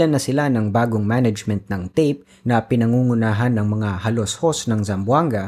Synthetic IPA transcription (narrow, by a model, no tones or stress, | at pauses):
lɐnːɐsɪlanɐŋbaːɡoŋmanɐd͡ʒmɛnt̪̚nɐŋt̪ejp̚ | nɐpɪnɐŋuːŋʊnaːɦɐnːɐŋmɐŋahɐloshosnɐŋzɐmbwaŋɡɐ